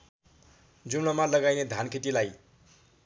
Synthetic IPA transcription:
d͡zumlamalʌɡajned̪ʱankʰeʈilaj

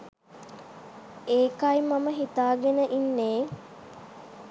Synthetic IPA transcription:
eːkajmaməɦit̪aːɡenəʔinːeː

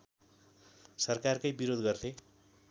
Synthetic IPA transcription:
sʌrkarkʌjbiɾod̪ɡʌrt̪ʰe

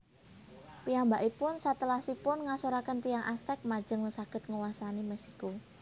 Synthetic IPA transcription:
pijambaʔipʊnsat̪əlahsipʊnŋasoɾakənt̪ijaŋʔast̪ɛk̚mḁd͡ʒ̥ə̤ŋləsaɡ̥ət̪̚ŋəwasanimɛsi̥ko

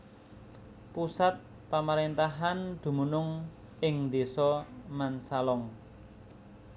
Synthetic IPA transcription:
pusat̪̚ | pamaɾent̪aɦand̪̥ṳmunʊŋ | ɪŋd̪esɔmansalɔŋ

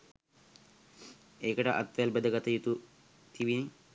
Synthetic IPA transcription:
eːkəʈəʔa̰t̪ʋælbed̪əɡat̪əjut̪u | t̪iʋini

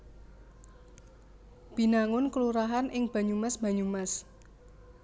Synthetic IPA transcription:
b̥i̤naŋʊnkəluɾaɦanʔɪŋb̥a̤ɲumasb̥ä̤ɲumas

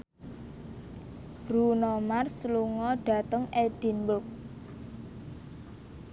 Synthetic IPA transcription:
b̥ɾunɔmarsəluŋɔɖ̥a̤t̪əŋed̪̥i̤nbʊk̚

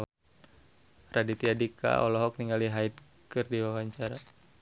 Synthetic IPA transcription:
radit̪iadika̰ɔlɔɦɔk̚niŋaliɦaid̚ | kɨrdiwawaɲt͡ʃaɾa

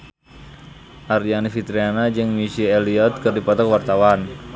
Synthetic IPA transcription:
ʔarianifit̪ɾianad͡ʒɨŋmisiɛliɔt̪̚kɨrdipɔt̪ɔkwart̪awan

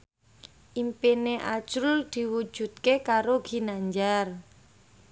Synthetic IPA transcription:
ʔimpineʔḁʒ̥ʊld̪̥i̤wud̥ʒ̥ṳd̪̚kekaɾoɡ̥i̤naɲd͡ʒar

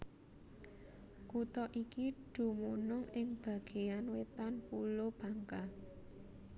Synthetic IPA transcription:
kut̪ɔʔikiɖ̥ṳmunʊŋɪŋb̥a̤ɡ̥e̤janwet̪anpulob̥ä̤ŋka

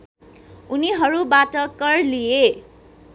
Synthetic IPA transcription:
uniɦʌɾubaʈʌkʌrlije

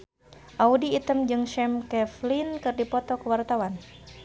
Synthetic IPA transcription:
ʔaudiːt̪əmd͡ʒɨŋʃɛmkɛflinkɨrdipɔt̪ɔkəwart̪awan

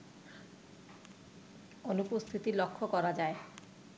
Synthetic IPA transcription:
onupost̪ʰit̪ilokʰːokɔɾad͡ʑae

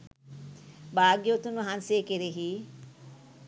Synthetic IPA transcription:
baːɡjot̪unɦanseːkeɾeɦi

